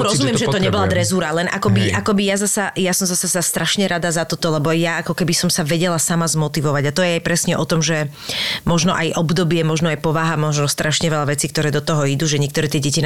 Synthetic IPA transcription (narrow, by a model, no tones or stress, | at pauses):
ɾɔzummɪɛmʒɛt̪ɔɲɛbɔlad̪ɾɛzuːɾalɛnʔakɔbiʔakɔbijazasajasɔmzasasɛd̪ast̪ɾaʃɲɛɾʔad̪azat̪ɔt̪ɔlɛbɔjaakɔkɛbisɔmsaʋɛɟɛlasamazmɔt̪iʋɔʋaɟat̪ɔjɛajpɾɛsɲɛʔɔt̪ɔmʒɛ | mɔʒnɔʔajʔɔbd̪ɔbɪɛmɔʒnɔajpɔʋaɦamɔʒnɔst̪ɾʔaʃɲɛʋɛlaʋɛt͡siːk̚t̪ɔɾɛːd̪ɔt̪ɔɦɔid̪uʒɛɲɪɛkt̪ɔɾɛːt̪ɪɛɟɛcin